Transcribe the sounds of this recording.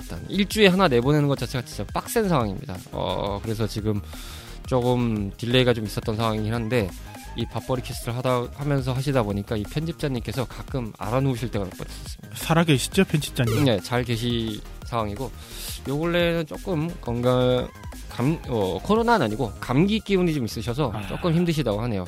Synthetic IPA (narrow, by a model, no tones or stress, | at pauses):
t͈a̰niɭt͡ɕ͈ue̞ɦanane̞bone̞nɯnɡʌt̚t͡ɕ͈at͡ɕʰe̞ɡat͡ɕit͡ɕ͈ap͈ak̚s͈ensʰawaŋimɲḭda̰ʌ̰kɯɾe̞s̬ʰʌt͡ɕiɡɯm | t͡ɕ͈oɡɯmtiɭːe̞iɡat͡ɕomis͈ʌt͈ʌnsʰawaŋiiɦanɯnde̞ | ipap͈ʌɾikʰisʰɯtʰɯɾɯɭɦadahamjʌns̬ʰʌɦaɕ̬ʰidaboɲik͈aipʰjʌnd͡ʑʰip̚t͡ɕ͈aɲːimk͈e̞sʰʌkak͈ɯma̰ɾanuuɕʰiɭt͈e̞ɡanop͈̚ɾʌs͈ʌs͈ɯ̥mɲidasʰaɾaɡeɕʰi̥d͡ʑopʰjend͡ʑʰi̥p̚t͡ɕ͈aɲine̞t͡ɕaɭke̞ɕ̬ʰi | sʰaŋwaŋiɡo | joɡʌɭːe̞nɯnt͡ɕ͈ok͈ɯmkʌŋɡa | kamʌkʰʌɾonanaɲiɡokamɡik͈iunit͡ɕomis͈ɯɕʰʌs̬ʰʌt͡ɕ͈o̰k͈ɯmçimdɯɕ̬ʰidaɡoɦane̞jo